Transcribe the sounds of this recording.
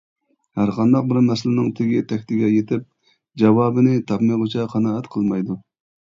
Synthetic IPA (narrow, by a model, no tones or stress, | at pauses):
hæɾqʰɑnd̪ɑq̚bɪɾmɛsɪlɪnɪŋt̪ʰɪɡʲit̪ʰɛkʲt̪ɪɡʲɛjet̪ʰɪp̚ | d͡ʒɑwɑːbɨnɪt̪ʰɑpmejʁʊt͡ʃʰɑqʰɑnɑːɛt̪qʰəlˠmɑjd̪u